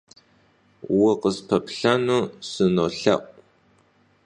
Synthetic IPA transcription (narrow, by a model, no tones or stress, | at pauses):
wɐqəspʰɐpɬɐnuːsɨnoːɬɐ̰ʔʷʼ